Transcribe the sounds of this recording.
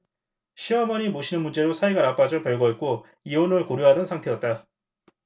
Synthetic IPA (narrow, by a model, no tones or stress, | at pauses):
ɕʰiʌmʌɲimoɕʰinɯnmund͡ʑe̞ɾosʰaeɡanap͈ad͡ʑʌpjʌɭɡʌet̚k͈o | ionɯɭkoɾjuɦadʌnsʰaŋtʰe̞jʌt̚t͈a